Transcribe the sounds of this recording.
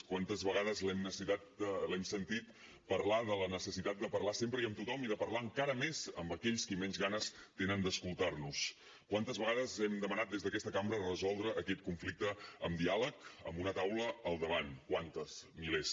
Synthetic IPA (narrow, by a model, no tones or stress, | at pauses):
kwant̪əzβəɣ̞aðəzlɛmnəsit̪at̪̚lɛmsənt̪it̪ | pəɾlaðələnəsəsit̪at̪̚d̪əpərlasempɾəiəmt̪ut̪ɔmiðəpərlaəŋkaɾəmezəmbəkɛʎskimɛnzɣanəst̪enənd̪əskulˠt̪arnus | kwant̪əzβəɣaðəzɛmd̪əmənat̪̚d̪ezðəkɛst̪əkambɾərəzɔlˠd̪ɾəʔːkɛt̪̚kuɱflik̚t̪əəmd̪ialəkə̰mbunət̪awləəlˠd̪əβ̞ankwant̪əsmiles